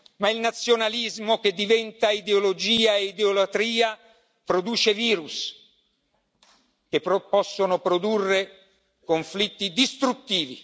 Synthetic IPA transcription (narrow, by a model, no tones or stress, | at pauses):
mailnat̪sːjonalizmok̟ed̪ːivɛnt̪aid̪eolod͡ʒiːaeid̪eolat̪ɾiːa | pɾod̪uːt͡ʃeviːɾus | k̟eppɔsːonopɾod̪urːe | koɱflit̪ːid̪ist̪ɾut̪ːiːvḭ